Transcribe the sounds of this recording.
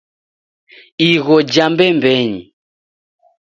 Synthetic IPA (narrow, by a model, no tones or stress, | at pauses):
iɣɔd͡ʒambɛmbɛɲḭ